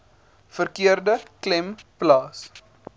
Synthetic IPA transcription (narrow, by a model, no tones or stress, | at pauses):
fərkiərdəklɛmplɑːs